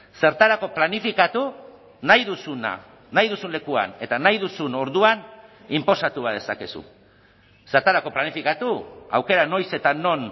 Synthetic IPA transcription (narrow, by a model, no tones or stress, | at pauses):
se̞ɾt̪aɾako̞planifikat̪u | najðusuna̰ | najðusunle̞kua̰ne̞t̪anajðusuno̞ɾðuan | impo̞sat̪uβað̞e̞sake̞sṵ | se̞ɾt̪aɾako̞planifikat̪ua̰wke̞ɾano̞jse̞t̪anːo̞n